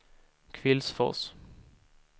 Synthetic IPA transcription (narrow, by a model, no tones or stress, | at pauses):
kʰvɪlsfɔ̰ʁs